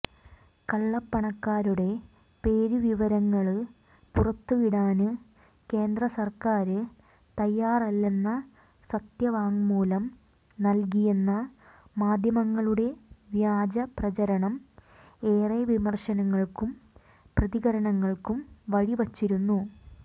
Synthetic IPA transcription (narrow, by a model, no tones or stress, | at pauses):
kɐɭːɐpːɐɳɐkːaːɾuɽe̞ | pe̞ːɾuʋiʋɐɾɐŋːɐɭ | purɐt̪ːuʋiɽaːnɨ | ke̞ːnd̪rɐsɐrkaːɾɨ | t̪ɐjːaːrɐlːe̞nːɐ | sɐt̪jɐʋaːŋmuːlɐm | nɐlk̬ijenːɐmaːd̪ʱjɐmɐŋːɐɭuɽe̞ʋjaːd͡ʑɐprɐt͡ɕɐɾɐɳɐm | e̞ːreʋimɐrɕɐnɐŋːɐɭkum | prɐðiɣɐɾɐɳɐŋːɐɭkumʋɐɻiʋɐt͡ɕːiɾunːu